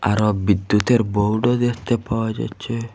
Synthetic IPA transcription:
a̰ɾɔbid̪ːut̪eɾboɖɔd̪ekʰt̪epawad͡ʒa̰jt͡ʃʰe

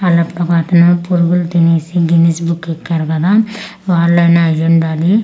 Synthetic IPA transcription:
ɐlɐpɾɐkaːt̪ɐnupuɾuɡulut̪ineːsiɡinesbukːekːaːɾukɐd̪aː | ʋaːɾlɐjnɐːɐjuɳɖaːli

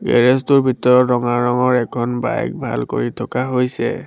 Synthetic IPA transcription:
ɡɛ̰ɹɛstʊɹbʱitɔɹɔtːɔŋaɹɹɔŋɔɹɛkʰɔnba̰jɛ̰k̚bʱa̰lko̰ɹitʰɔkaɦojsɛ̰

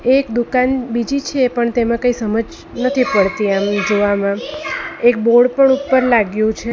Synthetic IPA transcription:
eːkd̪ukanbid͡ʒit͡ʃʰepəɳt̪emãkəisəməd͡ʒ | nət̪ʰipəɭt̪iamd͡ʒoʋamãek̚boɽpəɳupːəɾlaɡjũt͡ʃʰe

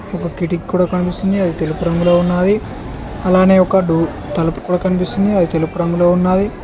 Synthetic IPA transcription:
ɔkɐkiʈikkːuːɽaːkɐnipist̪und̪iɐd̪it̪e̞lupuɾɐŋɡulo̞ːunːaːd̪i | ɐlaːne̞ːɔkɐɖuː | t̪ɐlɐpu̥kuːɽaːkɐnipist̪und̪iɐd̪it̪e̞lupuɾɐŋɡulo̞ːunːaːd̪i

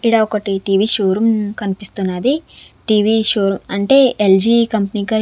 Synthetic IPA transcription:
iɽaɔkɐʈiʈiːʋiːʃoːɾumkɐnipist̪unːad̪i | ʈiːʋiʃoːɾumɐɳʈe̞ːʔeld͡ʒiːkɐmpɐniːkɐ

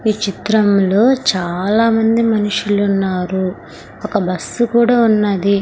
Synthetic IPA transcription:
ʋiːt͡ʃit̪ɾɐmlo̞ːt͡ʃaːlaːmɐnd̪imɐnuʂulunːaːɾu | ɔkɐbɐsːukuːɽaːunːɐd̪i

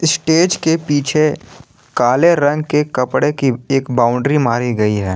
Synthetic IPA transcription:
ɪsʈeːd͡ʒkepiːt͡ʃʰe | kaːleɾɐ̃ŋɡkekɐpɽekieːkbaːʊ̃ɳɖɾimaːɾiɡɐiɦɛː

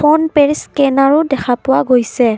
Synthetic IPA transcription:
ɔnpeɹskɛnaɹʊdɛkʰapʊwaɡojsɛ

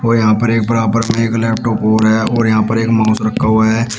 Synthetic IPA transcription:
ɔːɾjɐɦãːpəɾeːk̚pəɾaːpəɾmẽeːklɛːp̚ʈoːpoːɾɦɛːɔːɾjɐɦãpəɾeːkmãːʊsɾəkʰːaɦɛː

